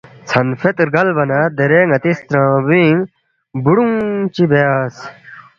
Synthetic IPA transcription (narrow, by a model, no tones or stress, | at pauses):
t͡sʰɐnfet̪ɾɡɐlbɐnad̪eɾeːŋɐt̪ist̪ɾãːbĩŋ | buɽuŋt͡ɕibeaːs